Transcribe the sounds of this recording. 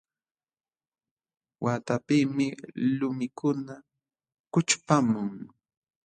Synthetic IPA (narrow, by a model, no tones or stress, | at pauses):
wʔaːt̪apiːmɪlʊmɪkʊna | kʊt͡ʃpamʊŋ